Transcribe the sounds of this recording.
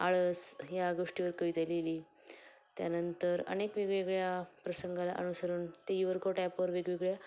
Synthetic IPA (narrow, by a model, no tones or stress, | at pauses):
aɭəsjaɡoʂʈiʋəɾkəjt̪eleliː | t̪janənt̪əɾə̰nekʋeɡɭeɡɭjapɾəsəŋɡala̰ʔənusəɾuːnt̪ajiʋəɾkʰoʈajapəɾʋeɡʋeɡɭja